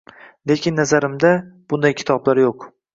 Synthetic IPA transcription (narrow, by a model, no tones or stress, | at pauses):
le̞kʲʰɪnːazaɾɪmd̪ab̥ʊnd̪ajkʲʰɪ̥t̪ʰɒblaɾjoq